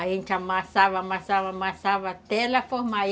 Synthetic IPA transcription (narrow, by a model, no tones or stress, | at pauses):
aint͡ʃamasaʋamasaʋamasaʋat̪elefohma